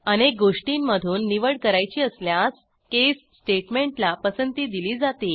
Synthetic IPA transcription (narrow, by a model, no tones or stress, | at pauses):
əñek̚ɡoʂʈinməd̪ʱuːnːiʋəɽkəɾajt͡ɕiːəsljas | kessʈeʈmẽɳʈlapəsənt̪iːd̪iliːd͡zat̪iː